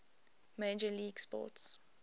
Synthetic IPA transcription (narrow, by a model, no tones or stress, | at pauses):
meːd͡ʒəliːɡspɔ̰ts